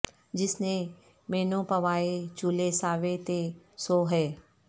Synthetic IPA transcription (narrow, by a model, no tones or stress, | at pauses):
d͡ʒɪsne | meːnõpɐʋaːet͡ʃulesaːʋet̪e | soːɦɛː